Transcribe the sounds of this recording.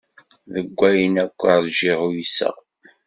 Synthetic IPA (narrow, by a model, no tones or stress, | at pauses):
ðəɡʷːæjənækʷːəðʒiʁujisæ̰